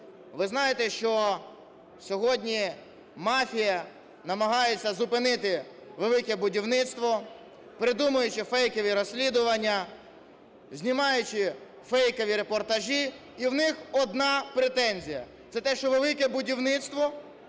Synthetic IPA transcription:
ʋɪznɑjet̪ɛʃt͡ʃɔ | sʲɔɦɔdʲnʲi | mɑfʲijɐ | nɐmɐɦɑjet͡sʲːɐzʊpɪnɪt̪ɪ | ʋelˠɪkɛbʊdʲiwnɪt̪st̪ʋɔ | pɾɪd̪umɐjʊt͡ʃɪfɛjkɔʋʲiɾɔsʲlʲid̪ʊʋɐnʲːɐ | zʲnʲimɑjʊt͡ʃɪ | fɛjkɔʋʲiɾepɔrt̪ɐʒʲiː | wnɪxɔd̪nɑpɾet̪ɛnʲzʲijɐ̰ | t̪sɛt̪ɛʃt͡ʃɔʋelˠɪkɛbʊdʲiwnɪt̪st̪ʋɔ

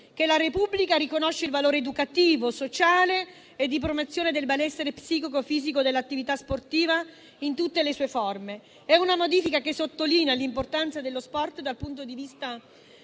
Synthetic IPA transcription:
kelaɾepubːlikaɾikonoʃːeilvaloːɾed̪ukat̪iːvosot͡ʃaːle | ed̪ːip̬ɾomot̪sːjoːned̪elbelɛsːeɾepsiːkikofiːzikod̪elːat̪ːivit̪asport̪iːva | int̪ut̪ːelesuːefɔrme | ɛunamod̪iːfikakesːot̪ːoliːnealimport̪ant̪sad̪elːospɔrt̪d̪alpunt̪̬od̪ivist̪a

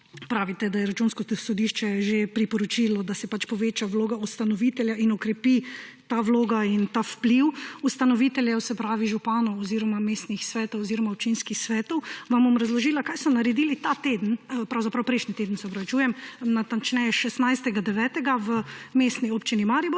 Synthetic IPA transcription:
pɾaːʋit̪ɛd̪ajɛɾat͡ʃunskɔsɔd̪iʃt͡ʃɛʒepɾipɔɾɔt͡ʃiːlɔd̪asɛpat͡ʃpɔʋeːt͡ʃaʋloːɡaust̪anɔʋit̪ɛljainɔkɾɛpit̪aʋloːɡaint̪awpliwust̪anɔʋit̪ɛljɛwsɛpɾaːʋiʒupaːnɔwɔziːɾɔmameːst̪nixsʋɛːt̪ɔwɔziːɾɔmaɔp̚t͡ʃinskixsʋɛːt̪ɔwʋambomɾazlɔʒiːlakajsɔnaɾɛd̪iːlit̪at̪ed̪n̩pɾawzapɾawpɾɛjʃnit̪eːd̪ən̩sɛɔpɾɐʋit͡ʃuːjɛmnat̪ant͡ʃnɛjɛʃɛsnajst̪ɛɡad̪ɛʋɛːt̪ɛɡaʋəmeːst̪niopt͡ʃinimaɾibo

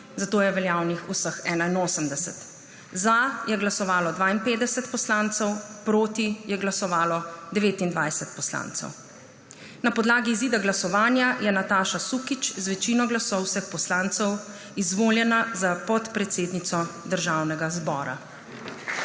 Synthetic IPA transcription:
zat̪oːjɛʋɛljaːwnixusəxɛːnainoːsəmd̪ɛsɛ̰t̪ | zajɛɡlasɔʋaːlɔd̪ʋaːinpeːd̪ɛsɛt̪pɔslaːnt̪sɛwpɾoːt̪ijɛɡlasɔʋaːlɔd̪ɛʋeːt̪ind̪ʋajsɛt̪̚pɔsla̰ːnt̪sɛ̰w | napɔd̪laːɡiːziːd̪aɡlasɔʋaːnjajɛnat̪aːʃasukit͡ʃzʋɛt͡ʃinɔɡlasɔwsəxpɔslãnt̪sɛw | izʋoːljɛnazapɔt̪pɾɛt̪seːd̪nit̪sɔd̪əɾʒaːwnɛɡazbɔːɾa̰

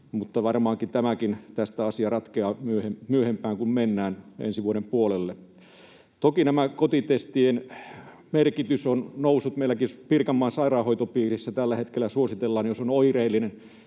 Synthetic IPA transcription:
mut̪ːɑʋɑrmɑːŋkit̪æmækint̪æst̪æɑsiɑrɑt̪keɑːmyøhemmyøhempˑæːŋkummenːæːnḛnsiʋuoɾempuolelːe | t̪okinæmækot̪it̪est̪ien | merkit̪ysonnousːut̪meilːˑækipirkɑmːɑːnsɑirɑːhoit̪opiːrisːæt̪ælːæhet̪kelːˑæsuosit̪elːɑːnjosonoireilːinen

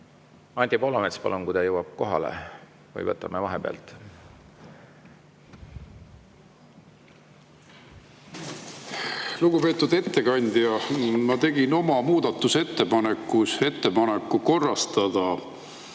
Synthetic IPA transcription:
ɑnʲt̪ʲipolːɑmet̪spɑ̰lunkujd̪ɑjɤwɑb̥̚ko̞ɦɑ̰lḛ | vɯ̰jvɤt̪ːˑɑmevɑɦeb̥eɑ̰lt̪ˑ | luɡupe̞ːt̪ːˑud̪e̞t̪ːe̞kɑnʲd̪̥jɑmɑt̪e̞ɡino̞mɑmuːd̪̥ɑt̪ːˑuse̞t̪ːe̞pɑnekːuse̞t̪ːe̞pɑnekːˑuko̞rːɑst̪ɑd̪̥ɑ

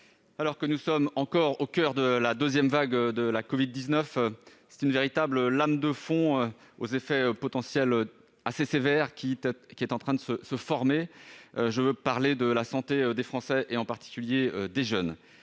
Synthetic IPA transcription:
alɔʁkənusɔmɑ̃kɔʁokʲœʁd̪əlad̪øzjɛmvaɡød̪əlakɔvid̪ːiznœfsɛ̥t̪ynveʁit̪abləlamd̪əfɔ̃øo̰zefɛøpɔt̪ɑ̃sjɛlø | asesevɛʁkʲikʲiɛt̪ɑ̃t̪χɛ̃d̪əsəsəfɔʁmeøʒəvøpaʁled̪əlasɑ̃t̪eød̪efχɑ̃sɛʔeɑ̃paʁt̪i̥kʲyljeød̪eʒœn

